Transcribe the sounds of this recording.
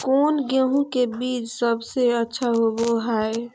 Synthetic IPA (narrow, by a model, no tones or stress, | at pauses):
konɡeɦũkebiːt͡ʃsəbseətːʃʰaɦoboɦae